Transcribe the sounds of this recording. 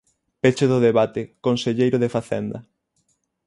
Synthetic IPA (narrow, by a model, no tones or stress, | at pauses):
pet͡ʃeðʊðeβat̪ekonseʎejɾʊðefaθɛ̰nd̪ɐ